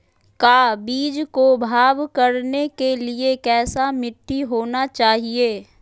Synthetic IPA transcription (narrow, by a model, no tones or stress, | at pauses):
kaːbiːd͡ʒkobʱaːʋkɐɾnekeliekɛːsamɪʈːiɦoːnat͡ʃaːɦieː